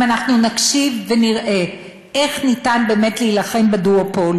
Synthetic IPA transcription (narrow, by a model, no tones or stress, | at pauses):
anaχnunakʃivːeniʁʔe̞ | ʔe̞χnitanbe̞ːme̞tliːlaχe̞mbeduopol